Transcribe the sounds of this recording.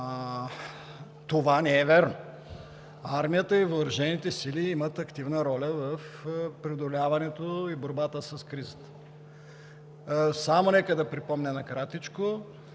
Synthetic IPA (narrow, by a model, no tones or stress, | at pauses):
t̪ovanɛɛvɛɾno | aɾmijət̪əivoːɾɐʒɛnit̪ɛsiliimət̪ɐkt̪ivnəɾɔlʲəvəfpɾɛod̪olʲavɐnɛt̪oiboɾbat̪əsɐskɾizət̪ə̥ | samonɛkəd̪ɐpɾipɔmnɛnɐkɾat̪it͡ʃko